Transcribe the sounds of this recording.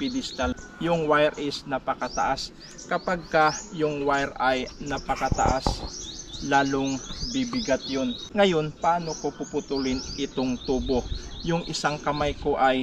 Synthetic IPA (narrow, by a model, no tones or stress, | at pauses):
pɪd̪ɪst̪al | jʊŋwajɾʔɪsnɐpɐkat̪a̰ʔas | kɐpaɡ̚kajʊŋwajɾajnɐpɐkɐt̪a̰ʔas | laːloŋbibɪɡat̪̚jo̞nŋɐjo̞npɐʔaːno̞kopʊpʊt̪ulɪnʔɪt̪oŋt̪uːbo̞jʊŋʔɪsaŋkɐmajko̞ʔaj